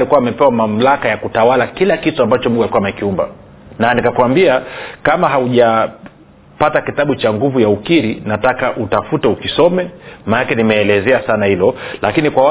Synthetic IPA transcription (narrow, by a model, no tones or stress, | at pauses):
likuwaːmɛpɛwamam̩lakajakutawalakilakituambat͡ʃɔmuŋɡualikuamɛkiumba̰ | nanikakwambiakamaɦauʄa | patakitaɓut͡ʃaŋɡuvujaukiɾinatakaʔutafutɛukisɔmɛmanakɛnimɛːlɛzɛasanahilɔlakinikwaw